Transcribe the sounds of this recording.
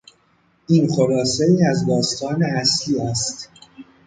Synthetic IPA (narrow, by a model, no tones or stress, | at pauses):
ʔiːnχoɾɒːseiːæzd̪ɒːst̪ʰɒːneæsliːæst̪